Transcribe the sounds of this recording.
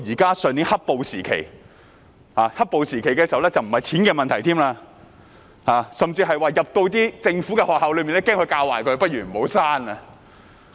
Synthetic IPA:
jiː˨˩kaː˥sœː˨ŋniː˨˥hɐ˥k̚po˨wsiː˨˩kʰe˨˩j | haː˨˩hɐ˥t̚po˨˧wsiː˨˩kʰe˨˩jkɛː˧si˨˩˨wlɛ˥t͡sɐ˨wm̩˨˩hɐ˨jt͡sʰiː˨˥nkɛː˧mɐ˨nt̪ʰɐ˨˩jt̪ʰiː˥mlaː˧ | haː˨sɐ˨mt͡siː˧ɦɐ˨jwaː˨jɐ˨p̚t̪o˧wt̪̬iː˥t͡sɪ˧ŋfu˨˥kɛː˧hɔː˨k̚ha˨wlɵ˨˧ɥmiː˨nlɛː˥kɛː˥ŋhɵ˧ɥkaː˧waː˨˩jkʰɵ˨˧ɥpɐ˥t̚ɥyː˨˩m̩˨˩ho˨˥wsaː˥nɐ˧

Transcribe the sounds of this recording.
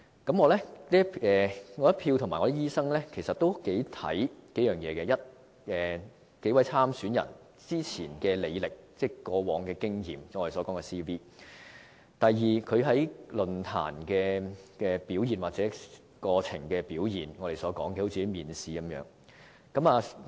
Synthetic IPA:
kɐ˨˥mŋɔː˨˧lɛ˥liː˥ɛː˨ŋɔː˨˧jɐ˥t̚pʰiː˧wt̪ʰʊ˨˩maː˨˩ŋɔ˨˧˥iː˥iː˥sɐ˥ŋlɛ˥kʰe˨˩jsɐ˨t̚t̪o˥wke˨˥jt̪ʰɐ̰˨˥jke˨˥jœː˨˩ŋjɛː˨˧kɛ˧jɐ˥t̚ | ɛː˨ | ke˨˥jwɐ˨˥jt͡sʰaː˥msyː˨˥njɐ̰˨˩n | t͡siː˥t͡sʰiː˨˩nkɛː˧le˨˧jlɪ˨k̚t͡sɛː˥˩kɔː˧wɔː˨˧ŋkɛː˧kɪ˥ŋjiː˨m˥ŋɔː˨˧ɾe˨˩sɔː˨˥kɔː˨˥ŋɛ˧siː˥wiː˥ | t̪ɐ˨jjiː˨˩kʰɵ˨˧ɥɦɐ˨˥jlɵ˨nt̪ʰa̰ː˨˩nkɛː˧kɛ˧piː˨˥wjiː˨˩nwaː˨t̚t͡sɛː˨˥ | kɔː˧t͡sʰɪ̰˨˩ŋkɛː˧piː˨˥wjiː˨˩nŋɔː˨˧ɾe˨jsɔː˨˥kɔː˨˥ŋkɛ˧˩ho˨˥wt͡si˨˥jmiː˨˩nsiː˨˧kɐ˨˦mjœ̰ː˨˥ŋ | kɐ˨˥maː˨˧

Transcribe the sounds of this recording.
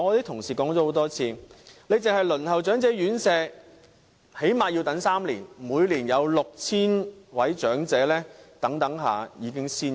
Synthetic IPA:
ɔː˧t̪iː˥t̪ʰʊ˨˩ŋsiː˨˩kɔː˨˥ŋt͡sɔː˨˥ho˨˥wt̪ɔː˥t͡sʰiː˧le˨˧jt͡sɪ˨ŋɦɐ˨jlɵ˨˩nhɐ˨˩wt͡ʃœː˨˥ŋt͡sɛː˨˥jyː˨˥nsɛː˧ | he˨˥jmaː˨jiː˧wt̪ɐ˨˥ŋsaː˥mlḭː˨˩nmuː˨˧jliː˨˩njɐ˨˧wlʊ˨k̚t͡sʰiː˥nwɐ˨˥jt͡ʃœː˨˥ŋt͡sɛː˨˥lɛː˥t̪ɐ˨˥ŋt̪ɐ˨˥ŋɦa̰ː˨jiː˨˧kɪ˥ŋsiː˥n

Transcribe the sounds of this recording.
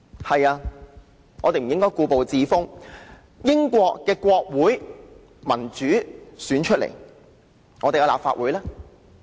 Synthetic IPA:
hɐ˨jaː˧ | ŋɔː˨˧t̪e˨jm̩˨˩jɪ˥ŋkɔː˥jkuː˧po˨wt͡siː˨˧fʊ˥ŋ | jɪ˥ŋkʷɔː˧kːɛː˧kʷɔː˧k̚wuː˨˥j | mɐ˨˩nt͡ʃyː˨˥syː˨˥nt͡ʃʰɵ˥t̚lḛ˨˩j | ŋɔː˨˧t̪e˨jka˧la̰ː˨p̚fa̰ː˧ʔ̚wuː˨˥jlaː˥

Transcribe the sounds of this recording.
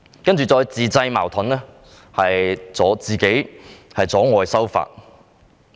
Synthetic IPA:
kɐ˥nt͡ʃyː˨˩t͡sɔː˧jt͡siː˨t͡sɐ˧jma̰ː˨˩wt̪ʰɐ˨˥nlɛː˥ | hɐ˨jt͡sɔː˨˧˥t͡siː˨˩ke˨˥jhɐ˨jt͡sɔː˨˥ŋɔː˨˩jsɐ˥wfa̰ː˨t̚

